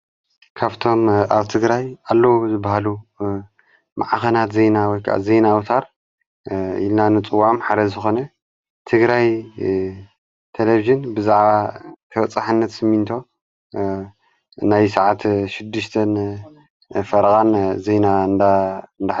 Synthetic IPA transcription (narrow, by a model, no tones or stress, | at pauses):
kʰaβt̪ʰo̞maβt̪ʰɨɡɾajalːozɨbːaɦalu | maʕaxɐnat̪zejnawɔjkʰaʔa̰zejnawut̪ʰaɾ | ḭlnanɨt͡sʼɨwːamħad̪ɐzɨxo̞nɐ | t̪ʰɨɡɾaj | t̪ʰeleviʒɨnbɨzaʕβat̪ʰɐwɐt͡sʼaħɨnːɐt̪sɨmːint̪ʰo̞ | najsaʕat̪ʃɪd̪ːɨʃt̪ʰɐn | fɐɾɣʼanzenand̪and̪a